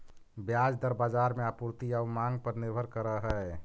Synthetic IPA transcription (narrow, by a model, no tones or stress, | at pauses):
bjad͡ʒd̪əɾbad͡ʒaɾmeapuɾt̪iamãŋɡ̚pəɾnɪɾbʱəɾkəɾəɦɛe